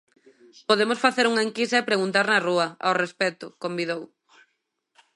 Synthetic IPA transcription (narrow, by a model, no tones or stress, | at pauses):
poðemosfaθeɾuŋɐeŋkisɐepɾeɣunt̪aɾnɐruɐa̰wrespɛt̪ʊkombiðow